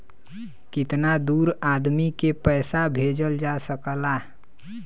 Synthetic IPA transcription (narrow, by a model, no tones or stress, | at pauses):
kɪt̪nad̪uɾad̪mikepəjsabʱed͡ʒəld͡ʒasəkəla